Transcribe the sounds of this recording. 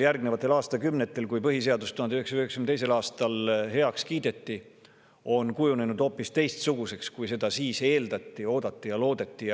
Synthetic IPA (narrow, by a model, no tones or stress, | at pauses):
ljærɡ̥ne̞vɑt̪ːˑe̞lɑːst̪ɑkymne̞t̪ːˑe̞lkujpɤɦis̬e̞ɑd̪ust̪uhɑnd̪yheksyheksymt̪ejse̞lɑːst̪ɑlɦe̞ɑkskiːd̪̥e̞t̪ːˑi | o̞nkujune̞nud̪̥o̞ːpːˑist̪e̞jst̪suɡ̥use̞kskujse̞d̪̥ɑsiːse̞ːld̪ɑt̪ːio̞ːd̪̥ɑt̪ːˑijɑlo̞ːd̪e̞t̪ːˑij